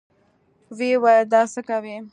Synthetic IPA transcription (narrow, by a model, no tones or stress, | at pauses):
wewajd̪ɑsəkawi